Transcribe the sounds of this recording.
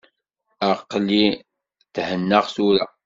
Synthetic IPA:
əqːli | θhənːəʁθuɾa̰

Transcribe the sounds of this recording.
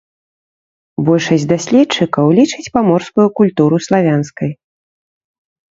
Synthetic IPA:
bɔlʲʂɐsʲd̪asʲlʲɛtt͡ʂɨkɐwlʲit͡ʂɨt͡sʲpamɔrskujukulʲt̪uɾuslˠavʲanskɐj

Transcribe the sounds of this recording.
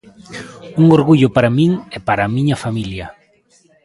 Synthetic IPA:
uŋoɾɣuʎʊpaɾamĩŋɛpaɾamĩɲɐfamiljɐ

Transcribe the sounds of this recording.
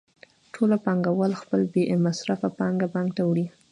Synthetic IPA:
ʈʰolapɑŋɡawəlxpəlbemasɾafapɑŋɡapɑŋɡt̪awɽi

